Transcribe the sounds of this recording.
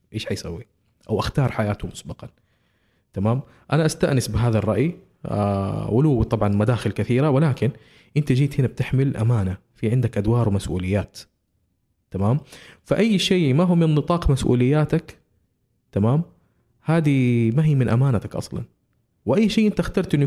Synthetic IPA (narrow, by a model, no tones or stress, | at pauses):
ʔeːʃħajsawːi | ʔawʔaxt̪ɑːɾˤħajaːt̪ʊmʊsbɑqɑ | t̪amaːm | ʔanaʔast̪aʔnɪsbɪɦaːðarˤːɑʔj̰ | ʔʊluːwt̪ˤɑbʕɑnmad̪aːxɪlkaθiːɾawɪlaːkɪn | ʔɪnt̪ad͡ʒiːt̪hɪnab̚t̪ɪħmɪlʔa̰maːnafiʕɪnd̪akʔad̪wɑːɾˤwɪmasʔṵːlɪjːaːt̪ | amaːmfaʔajːʃeːmaɦuːmɪnːɨt̪ˤɑːqmasʔṵːlɪjːaːt̪ak | t̪amaːm | haːd̪imaɦiːmɪnʔamaːnat̪akʔɑ̰sˤlɑ̰n | wɪʔajːʃiːʔɪnt̪axt̪ɑɾˤt̪ʔɪnː